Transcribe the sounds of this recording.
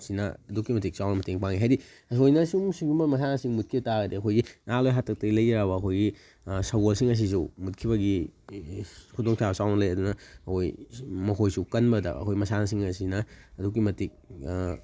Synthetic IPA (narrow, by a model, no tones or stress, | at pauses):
sinɐ̰ɐdukːimɐtik̚sawnɐmɐteŋpaŋiɦajɾi | ɐsojnɐsumsiɡumbɐmɐs̬anasiŋmut̚kʰibɐtaɡɐdeɐkʰojɡinalojɦatʰɐk̚tɐɡilɐjɾaβɐːkʰojɡi | sɐɡolsiŋɐs̬is̬umut̚kʰiβɐɡi | kʰudoŋsʰabsawnɐlɐjɐdunɐɐkʰojmɐkʰojsukɐnbɐdɐ̰ɐ̰kʰojɡimɐsanas̬iŋɐsinɐɐduk̬ːimɐtik̚